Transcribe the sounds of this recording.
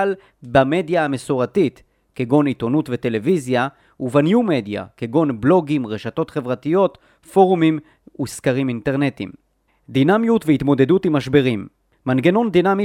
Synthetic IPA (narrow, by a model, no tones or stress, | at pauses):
l | bame̞d̪jaamesoʁatit | keɡo̞nit̪o̞nutvete̞le̞vizja | uvanjume̞d̪ja̰keɡo̞nblo̞ɡimʁeʃato̞tχe̞vʁatijo̞t | fo̞ʁumim | uskaʁiminteʁnet̪ḭm | d̪inamjutveit̪mo̞d̪e̞dutimaʃbeʁimː | anɡe̞no̞nd̪inami